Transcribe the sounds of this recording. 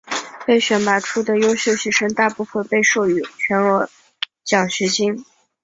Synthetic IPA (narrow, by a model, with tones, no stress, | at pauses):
pe˥˩ɪɕɥɛ˨˥nma˨˩ʈ͡ʂʰu˥d̪ə˨jo˥ʊɕjo˥˧ʊɕɛ˧˥ʂɤ˥ŋt̪a˥˧pu˥˩fə˨npe˥˧ɪʂo˥˩ʊy˧˥t͡ɕʰɥɛ˧˥nə˧˥ | t͡ɕjɑ˨˩ŋɕɥɛ˧˥t͡ɕi˥ŋ